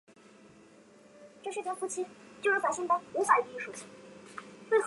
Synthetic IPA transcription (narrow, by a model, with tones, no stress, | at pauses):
ʈ͡ʂɤ˥˩ʂɻ̩˥˩jɛ˨˩nfu˥t͡ɕʰi˥t͡ɕjʂɻ̩˥˩a˧˥nɕi˥˩ŋt̪ə˥u˧˥xa˨˩ɪ˥˧i˥˩ʂu˨˧˩t͡ɕʰi̥˧˥ | we˥˩ɪx